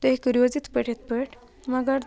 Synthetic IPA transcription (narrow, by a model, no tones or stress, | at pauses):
t̪oɦekəɾiʋəd͡zit̪pəʈʰet̪pəʈ | maɡaɾ